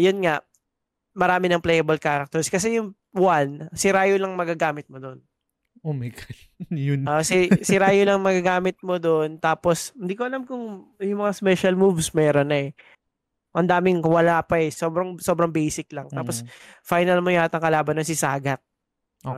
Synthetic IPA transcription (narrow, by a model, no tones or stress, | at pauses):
jʊnŋaʔ | mɐɾaːmɪnɐŋplɛːjɐbɐlkaːɾɐk̚t̪ɛɹskɐs̬ɛjʊŋ | wansɪɾaːjolɐŋmɐɡaɡaːmɪt̪̚mod̪o̞n | omɛk | jʊʔosɪsɪɾaːjolɐŋmɐɡaɡaːmɪt̪̚mod̪oʔnt̪aːposhɪnd̪iːkoɐlamkʊŋjʊŋmɐŋaspɛʃɐlmuvsmɛːɾonːɐɛ | ʔɐnd̪aːmɪŋwɐlaːpɐɛsoːbɾɐŋso̞ːbɾɐŋbejsɪk̚lɐŋt̪aːposfajnɐlmojʊat̪ɐŋkɐlaːbɐnonsɪsaːɡɐt̪̚